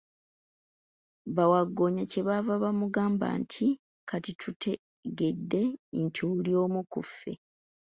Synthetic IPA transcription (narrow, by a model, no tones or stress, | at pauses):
βawaɡːo̞ɲace̞βavaβamuɡaːmba̰ːntʰi | kʰatitʰutʰe | ɡe̞dːe̞ntʰiulio̞ːmukufːe̞̰